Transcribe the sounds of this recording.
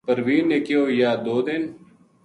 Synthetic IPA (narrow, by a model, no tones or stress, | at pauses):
pɐɾʋiːnekijoːjaːd̪oːd̪ɪn